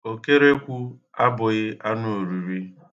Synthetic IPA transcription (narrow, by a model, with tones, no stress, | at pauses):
o˨ke˦ɾe˦kʷu˦ | a˦bʊ˨ɣɪ˦ʔa˦nʊ˦o˨ɾu˨ɾi˦